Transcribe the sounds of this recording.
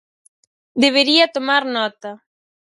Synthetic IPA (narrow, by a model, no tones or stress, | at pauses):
d̪eβ̞eɾiɐt̪omaɾnɔt̪a